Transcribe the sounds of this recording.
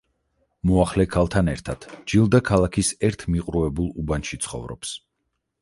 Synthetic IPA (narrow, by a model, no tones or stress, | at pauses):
mɔaχlɛkʰalˠt̪ʰanɛɾt̪ʰad̪̥d͡ʒilˠd̪akʰalˠakʰisɛɾt̪ʰmiqʼɾuɛbulˠubanʃit̪sʰχɔ̰vɾɔ̰ps